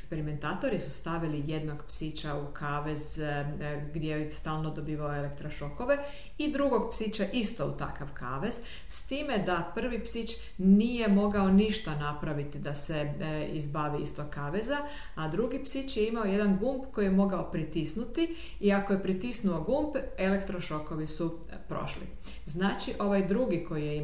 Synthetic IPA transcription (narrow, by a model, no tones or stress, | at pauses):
ekspe̞ɾime̞nt̪aːt̪o̞ɾisust̪aʋilijed̪no̞ɡpsit͡ʃaukʰaːʋe̞z | ɡd̪jeist̪aːlˠno̞d̪o̞biːʋaoele̞kt̪ɾoʃo̞ko̞ʋe̞ | id̪ɾuɡo̞ɡpsit͡ʃaʔist̪o̞ṵt̪a̰kaʋkʰaːʋe̞z̥ | st̪iːme̞d̪apr̩ʋipsit͡ʃ | nije̞mo̞ɡao̞niʃt̪anapɾaʋit̪id̪ase̞izbaʋiḭst̪okaːʋeza | ad̪ɾuɡipsit͡ʃjeimao̞je̞d̪anɡumpko̞jijemo̞ɡaopɾit̪isnut̪i | iakojepɾit̪isnuo̞ɡumpe̞le̞kt̪ɾo̞ʃo̞ko̞ʋisu | pɾo̞̰ʃlḭ | znaːt͡ʃiʔo̞ʋajd̪ɾuɡiko̞jijei